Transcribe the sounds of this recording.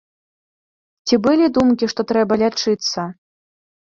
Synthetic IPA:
t͡sʲibɨlʲid̪umkʲiʂt̪ɔt̪ɾɛbɐlʲat͡ʂɨt̪sːɐ

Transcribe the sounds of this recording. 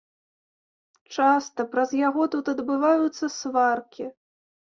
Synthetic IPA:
t͡ʂast̪ɐpɾɐzjaɣɔt̪ut̪ɐd̪bɨvajut̪sːɐsvarkʲi

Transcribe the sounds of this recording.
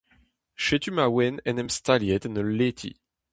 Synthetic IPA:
ʃet̪ymawɛnɛ̃nɛmst̪aljɛt̪ɛnəlet̪ʰḭ

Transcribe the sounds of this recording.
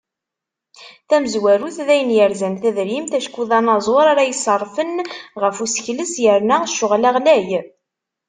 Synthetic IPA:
θæməzwæɾuθðæjənjəɾzænθæðɾimt̪æʃkʷuðɑnɑzˤoɾˤaɾajəsˤːərˤːfənʁəfusə̥çləsjəɾnəʃːʊʁlaʁlæj

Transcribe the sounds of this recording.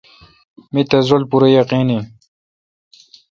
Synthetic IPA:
mit̪ɐzolpuɾɐjɐqini

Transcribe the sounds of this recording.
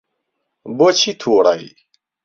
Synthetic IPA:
bot͡ɕʰit̪ʰoːɽa̰ḭ

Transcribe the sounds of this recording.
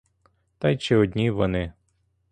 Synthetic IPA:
t̪ɑjt͡ʃɛɔd̪ʲnʲiʋɔnɪ

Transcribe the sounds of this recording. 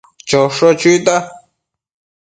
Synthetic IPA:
t͡ʃoʂot͡ʃuit̪a

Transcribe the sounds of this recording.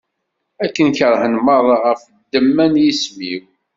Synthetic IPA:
ækːənçəɾˤħənməðˤʁəf | d̪ːəmːænjismiw

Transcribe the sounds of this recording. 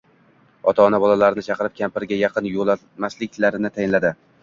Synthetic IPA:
ɒt̪ʰaːnabɒlalaɾɪnɪt͡ʃʰɑqɨɾɪp̚kʲʰampɪɾɡʲajɑqʰɨnjolˠa | maslɪkʲlaɾɪnɪt̪ʰajɪnlad̪ɪ

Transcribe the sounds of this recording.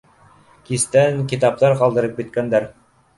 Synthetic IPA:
kist̪æŋkit̪ɑp̚t̪ɑɾqɑlˠd̪ɤ̆ɾɤp̚ɡɘ̆t̪̚kænd̪æɾ

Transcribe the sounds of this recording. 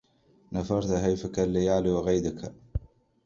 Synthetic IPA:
nafɑɾˤt̪aɦajfakalːajaʕliwaɣajd̪akʰa

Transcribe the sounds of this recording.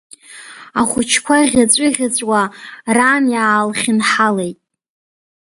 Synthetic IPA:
aχʷʊt͡ʃʰkʷʰaiʁʲat͡sʷʼiʁʲat͡sʷʼwaranjaːlχʲɪnħale̞jtʼ

